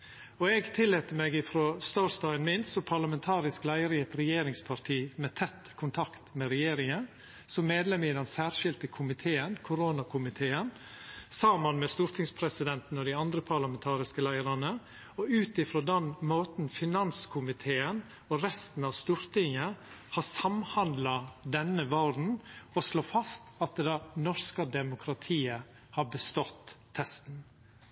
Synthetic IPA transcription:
ɔɛɡt̪ʰɪlːeːt̪əmeːɡɪfɾoːst̪ɔst̪ɑɪnmɪnsɔpʰɑɾlɑmɛnt̪ʰɑːɾɪsklæɪəɾɪɛt̪ɾɛjeːɾɪŋspʰɑɾt̪ʰiːmɛt̪ʰɛt̪ːkʰʊnt̪ʰɑkt̪mɛɾɛjeːɾɪŋən | sɔmːeːd̪lɛmɪd̪ɛnsæːɾʂɪlt̪əkʰʊmɪt̪ʰeːənkʰʊɾoːnɑkʰʊmɪt̪ʰeːən | sɑmənmɛst̪uːɾt̪ʰɪŋspʰɾɛsɪd̪ɛnt̪n̩ɔd̪ɪɑnd̪ɾəpʰɑɾlɑmɛnt̪ʰɑːɾɪskəlæɪəɾɑnə | ɔʉːt̪ɪfɾoːd̪ɛnmoːt̪n̩fɪnɑnskʰʊmɪt̪ʰeːən | ɔɾɛst̪n̩ɑʋst̪uːɾt̪ɪŋːəhɑsɑmhɑnd̪lɑd̪ɛnːəʋɑd̪n̩ɔsloːfɑst̪ɑt̪̚d̪ɛd̪ɑnɔɾskəd̪ɛmʊkʰɾɑt̪ʰiːə | hɑɾbəst̪ɔt̪ʰː | ɛst̪n

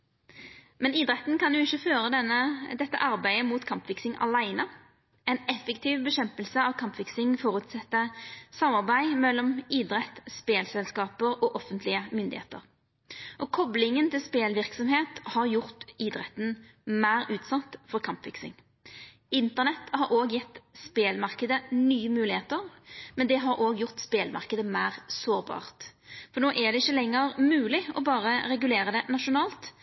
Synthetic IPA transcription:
mɛniːd̪ʁɛt̪ːnkɑnjʊɪçəføːʁəd̪ɛnəd̪ɛt̪ːə̰ʔɑʁbæɪəmuːt̪kʰɑmpfɪksɪŋʔɑ̰læɪnə | ɛɪnɛfɛkt̪ʰiːʋbəɕɛmpəlsəɑʋkʰɑmpfɪksɪŋfɔʁʉt̪sɛt̪ːəsɑmːɑʁbæɪmɛlːɔmiːd̪ɾɛt̪ːspeːlsɛlskɑːpəʁɔːʔɔfənt̪ʰlɪəmʏnd̪ɪ̰hḛːt̪ə̰ʁ | ʔɔkʰɔblɪŋənt̪ɪlspeːlʋɪʁksɔmheːt̪hɑʁjʊʁt̪iːd̪ʁɛt̪ən | mæɪɾʉːt̪sɑt̪fɔɾkʰɑmpʋɪksɪ̰ŋ | ɪnt̪əʁnɛt̪hɑɾoːɡjɛt̪ːspeːlmɑʁkəd̪ənyːəmʉːlɪheːt̪əɾmɛnd̪ɛɦɑɾʔoːɡjʊʁt̪speːlmʔɑ̰ʁkəd̪əmæɪʁsoːɾbɑ̰ːʁt̪fɔnoːʔɛd̪ɛɪçːəlɛŋːəɾmʉːlɪɔbɑːʁəɾɛɡʉleːɾəd̪ɛnɑʂʊnɑːlt̪

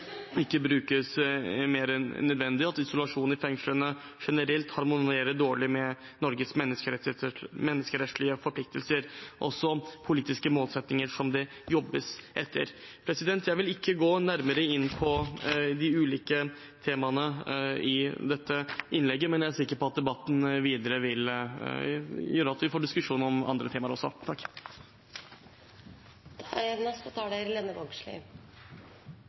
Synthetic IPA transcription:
ɪkːəbɾʉːkəsmeːɾənnœd̪ʋɛnd̪ɪɑt̪ɪsʊlɑʂuːn̩ɪfɛŋʂlənə | ʂɛnəɾɛlt̪hɑɾmʊeːɾəɖoːɭɪmɛ | nɔɾɡəsmɛnːəskəɾɛt̪mɛnːəskəɾɛt̪ʂlɪəfɔɾplɪk̚t̪ʰəlsəɾʔɔ̰sːɔpʰʊliːt̪ɪskəmoːlsɛt̪nɪŋəɾʂɔmd̪ɛ | jɔbːəsʔɛt̪ʰːə̰ɾ | pʰɾɛsɪd̪ɛnt̪ʰjæɪʋɪlɪkːəɡoːnæɾməɾəɪnːpʰɔd̪ɪʉːliːkə | t̪ʰeːmɑnəɪd̪ɛt̪ːəɪnlɛɡːəmɛnjææsɪkːəɾpʰɔɑt̪̚d̪ɛbɑt̪ːn̩ʋiːd̪əɾəʋɪl | jøːɾəɑt̪ʋɪfoːɖɪskʉʂuːnɔmɑ̰nd̪ɾət̪ʰeːmɑɾɔsːɔt̪ʰɑkː | d̪̥æɾɛnɑsɔt̪ʰɑːɖæɾleːnəʋɔɡʂlḭ

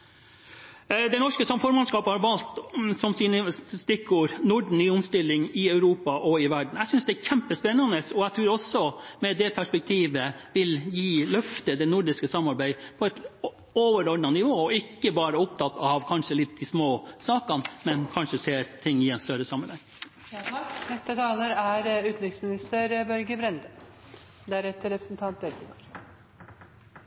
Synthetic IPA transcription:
d̪ɛɪnɔʂkəsɔmfɔːɾmɑnskɑːphɑɾʋɑlt̪sɔmsiːnəst̪ɪkːuːɾnʊɖɳ̩nyːʊmst̪ɪlːɪŋɪœʉɾuːpɑʔɔɪʋæɖɳ̩æɪsʏnsd̪ɛæɾçɛmpəspɛnːɑnəsɔæɡt̪ʰɾʉːɾɔsːɔmɛd̪ɛpʰæʂpɛk̚t̪ʰiːʋəʋɪljiːlœft̪əd̪ɛnʊɖɪskəsɑmːɑɾbæɪpʰɔɛt̪ | oʋəɾɔɖɳnɑnɪʋoːɔɪkːəbɑːɾəʊp̚t̪ʰɑt̪ːɑʋkʰɑnʂəlɪt̪̚d̪ɪsmoːsɑːkɑnmɛnkʰɑnʂəseːɾt̪ʰɪŋːɪɛnst̪œɾəsɑmːəlhɛŋː | nɛst̪ət̪ʰɑːləɾæɾʉːt̪nɪksmɪnɪst̪əɾbœɾɡəbɾɛnd̪ə | d̪ææɾɛt̪ːəɾɛpɾəsnt̪ʰɑnt̪̚ɛlt̪ɪŋɑɾ

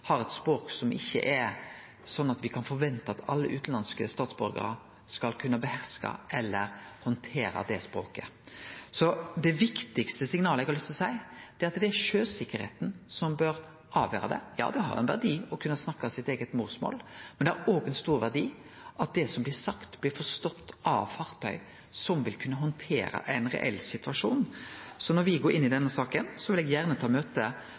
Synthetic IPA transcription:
hɑɾɛt̪spɾoːksɔmʔɪ̰çːə̰ʔɛɾ | sɔnːɑt̪ʋɪkʰɑnfɔɾʋɛnt̪ɑɑt̪ʰɑ̰lːə̰ʔʉːt̪n̩lɑnskəst̪ɑːt̪sbʉɾɡə̰ɾə̰ | skɑlkʰʉnːəbəhæɾskɑ̰ʔɛlːəɾhɔnt̪ʰeːɾə̰d̪ɛspɾo̰ːkə | sɔd̪ɛʋɪkt̪ɪkst̪əsɪŋnɑːləɛɪɡhɑlʏst̪ɔsæɪd̪̥ɛɾɑt̪d̪ɛæɾʂøːsɪkːəɾhḛːt̪n̩sɔmbøɾ | ɑːʋjøːɾəd̪ɛ̰jɑ̰ːd̪ɛɦɑ̰ɾɛ̰nʋæ̰ʁd̪iːɔkʰʉnːəsnɑkːsɪt̪eːɡət̪muːsmo̰ːlmɛnd̪ɛæɾoːɡɛnst̪uːɾʋæʁd̪iː | ʔɑt̪̚d̪ɛsɔmblɪsɑkt̪blɪfɔʁst̪ɔt̪ːɑ̰ʋfɑʁt̪ʰœʏ | sɔmʋɪlkʰʉnːəɦɔnt̪ʰḛːɾə̰ʔæɪnʁɛ̰ʔɛ̰lsɪt̪ʉʋɑʂuːnsɔnɔɾʋɪɡoːɾɪnːɪd̪ɛnːəsɑːkənsɔʋɪlɛɡjæʁnət̪ʰɑːmøːt̪ə

